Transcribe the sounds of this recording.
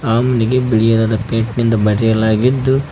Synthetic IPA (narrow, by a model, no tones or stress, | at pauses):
aːmɐniɡe̞biɭijɐd̪aːd̪ɐpeːʈnind̪ɐbɐɽɛjɐlaːɡid̪ːu